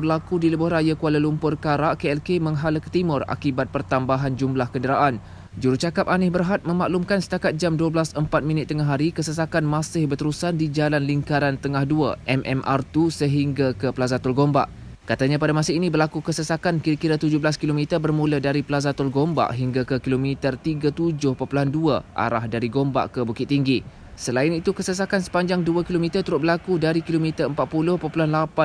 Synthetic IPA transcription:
bərlakudiləbʊhrajakualəlumpʊrkaɾaʔkeɛlkemə̃ŋɦaləkə̥t̪imʊra̰kibat̪̚pərt̪ambaɦand͡ʒumlahkəndəɾaʔan | d͡ʒuɾut͡ʃakap̚anɪhbərɦat̪̚mə̃maʔlumkansə̥t̪akat̪̚d͡ʒamduəblasəmpat̪̚mĩnɪt̪ːəŋaɦaɾikəsəsakanmãsɪhbərt̪əɾusandid͡ʒalanliŋkaɾant̪əŋahduaʔɛmʔɛ̰mʔa̰rt̪usəɦiŋɡakəpəlazat̪ʊlɡomba̰ʔ | kat̪aɲãpadamãsainibərlakukəsəsakankiɾakiɾat̪ud͡ʒʊɦbəlaskilomit̪ərbərmuladaɾipəlazat̪ʊlɡomba̰ʔɦiŋɡakəkilomit̪ərt̪iɡat̪ud͡ʒʊhpopulanduaʔa̰ɾa̰hdaɾiɡomba̰ʔkəbukɪt̪ːiŋɡi | səlaɪnit̪ukəsəsakansə̥paɲd͡ʒaŋduakilomit̪ərt̪uɾʊt̪̚bəlakudaɾikilomit̪ərəmpat̪̚pulʊhpopulanlapa

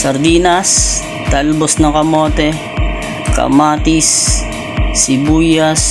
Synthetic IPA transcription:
sɐɾd̪iːnɐs | t̪albosnɐkɐmoːt̪ɛ | kɐ̰maːt̪isː | ibujas

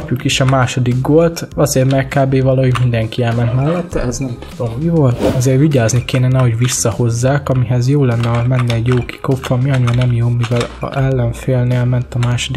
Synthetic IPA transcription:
pjukiʃɒmaːʃo̞d̪iɡ̚ɡo̞lt̪ɒzeːrmɛrkaːbeːvɒlɒɦo̞ɟmind̪ɛŋkiɛlmɛnt̪mɛlːɛt̪ːɛɛznɛmt̪ud̪ommivo̞lt̪ɒzeːrviɟaːznikeːnɛnɛɦo̞ɟʋisːɒho̞zːaːkɒmiɦɛzjoːlɛnːɛmɛnːɛːɟjoːki̥ko̞p̪fɒmiɒɲːnɛmjoːmivɛl̰ɛlːɛɱfeːlneːlmɛnt̪ɒmaːʃo̞d̪ik

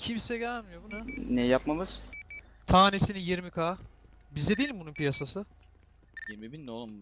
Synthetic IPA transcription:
cʰimsɛɟælʲmijo̞bunanɛjapmamɯz̥t̪ʰaːne̞sinijiɾmikʰaː | bizd̪ed̪eilʲimbununpʰijasasɯ | jemibind̪olˠum

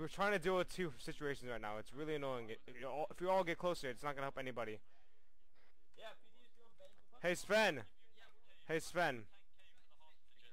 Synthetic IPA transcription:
wɨɹtʰɹ̥aɪɪ̃ŋtʰɨdɨətʰʉsɪt͡ʃʉeɪʃn̩zɹaɪtⁿnaʊɨtsɹɪlˠiɨnɔɪɪ̃ŋɪtɪfjəɔlˠɪfjəɔlˠɡɛt̚kʰl̥oʊsə˞ɨtsnət̚ɡ̥ʌnəhɛlˠpɛnibɑɾi | heɪsfɛ̃n | heɪsfɛ̃n

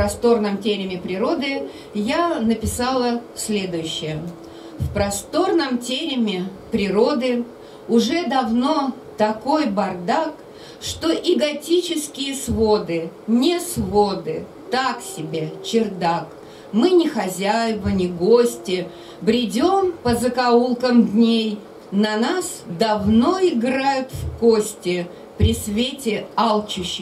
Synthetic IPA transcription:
pɾɐst̪o̞rnəmtʲeɾʲɪmʲɪpɾʲɪɾo̞d̪ɨ | janəpʲɪsalˠə | sʲlʲe̞d̪ʊjʉɕːɪjə | fpɾɐst̪o̞rnəmtʲeɾʲɪmʲɪ | pɾʲɪɾo̞d̪ɨ | ʊʐɛd̪ɐvno̞ | t̪ɐko̞jbɐrd̪ak | ʂt̪oʔɪɡɐtʲit͡ɕɪskʲɪjəsvo̞d̪ɨnʲɪsvod̪ɨ | t̪aksʲɪbʲet͡ɕɪrd̪ak | mɨnʲɪxɐzʲæjɪvənʲɪɡosʲtʲɪ | bɾʲɪdʲo̞mpəzəkɐulˠkəmd̪ʲnʲej | nɐnasd̪ɐvno̞ɪɡɾajʊt̪fkosʲtʲɪ | pɾʲɪsvʲetʲɪalˠt͡ɕʊɕːɪ

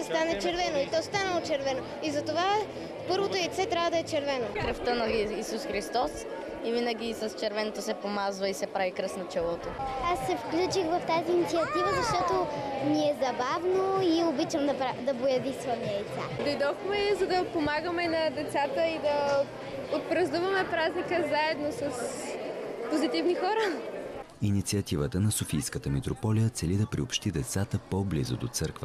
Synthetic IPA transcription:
st̪anɛt͡ʃɛɾvɛnoit̪ɔst̪anəlˠot͡ʃɛɾvɛno | izɐt̪ova | pɤɾvot̪oɛit̪sɛt̪ɾʲabvəd̪ɐɛt͡ʃɛɾvɛnokɾɐft̪ənɐisusxɾist̪ɔs | ivinəɡ̟ʲisɐst͡ʃɛɾvɛnot̪osɛpomazvəisɛpɾavikɾɤsnot͡ʃɛlˠɔt̪oasːɛfklʲut͡ʃixvɐft̪aziːnit̪siɐt̪ivəzɐʃt̪ɔt̪oniɛzɐbavnoiobit͡ʃɐmd̪ɐɾad̪ɐbojɐvisvɐniɐjt̪sa̰d̪ojd̪ɔxmɛzɐd̪ɐpomaɡəmɛnɐd̪ɛt̪sat̪əid̪ɐ | ot̪̚pɾɐzuvɐmɛpɾaznikəzaɛd̪nosɐs | pozit̪ivnixɔɾə | init̪siət̪ivət̪ənɐsofijskət̪əmit̪ɾopɔlijət̪sɛlid̪ɐpɾiopʃt̪id̪ɛt̪sat̪əpoblḭzʊ̰d̪ot̪səɾkvə̰

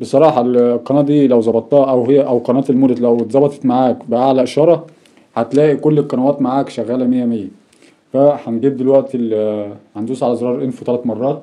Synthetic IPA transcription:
besˤɑɾˤɑːħɑlqɑnæʔd̪iːlæwzˤɑbɑt̪ˤːɑʔæwhejːæʔæwqɑnæːt̪elmuːd̪æt̪læwt̪zˤɑbɑt̪ˤɑ̥t̪maʕaːkbeʔaʕlæʔʃɑɾˤɑ | hæt̪læːʔikolːeqːɑnæwæːt̪maʕaːkʃæɣːæːlæmejːæmejːæ | fæħænɡiːb̪̚d̪elwæʔt̪elhænd̪uːsʕalæzɾɑːɾˤʔenfut̪ælæt̪mɑrˤːɑːt̪

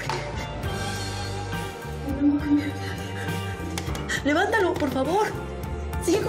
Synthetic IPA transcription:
leβant̪alopoɾfaβoɾ | si

